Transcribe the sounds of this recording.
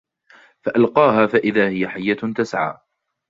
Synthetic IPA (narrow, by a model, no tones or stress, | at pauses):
faʔalqɑːɦaːfaʔɪðaːhɪjaħajːat̪asʕa̰ː